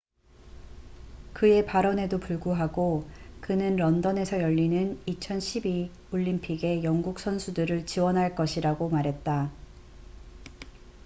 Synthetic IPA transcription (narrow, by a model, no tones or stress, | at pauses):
kɯe̞paɾʌne̞dopuɭɡuɦaɡokɯnɯnɾʌndʌne̞sʰʌjʌʎːinɯnit͡ɕʰʌnɕʰibi | oʎːimpʰiɡe̞jʌŋɡuk̚s͈ʰʌnsʰudɯɾɯɭt͡ɕiwʌnɦaɭk͈ʌɕʰiɾaɡomaɾɦe̞t̚t͈a